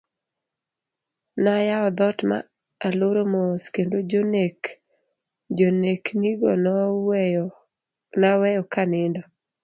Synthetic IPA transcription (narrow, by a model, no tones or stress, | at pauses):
najaɔd̪ɔtma̰ | aloɾomoskendod͡ʒonek | d͡ʒonekniɡɔ̰n | nawɛjɔkanɪndɔ